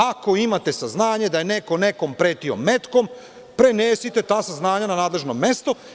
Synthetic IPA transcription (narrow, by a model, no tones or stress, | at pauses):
ako̞imat̪e̞saznaːɲed̪ajenekone̞ko̞mpɾe̞ːt̪io̞̰me̞t̪kom | pɾe̞neːsit̪e̞t̪aːsaznaːɲananaːd̪le̞ʒnome̞st̪o